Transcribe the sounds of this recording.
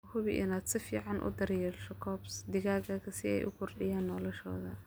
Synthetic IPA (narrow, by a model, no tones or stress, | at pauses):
hʊβɪʔɪ̰naːd̪sɪfiːʕɑnʔʊ̰d̪ɐɾjɛːlʃɔkʰɔːbsd̪ɪɣaːɣaːkʰɐsɪɛ̰jʔʊkʰʊrɖɪjaːnːɔːlɔʃɔ̰ːðɐ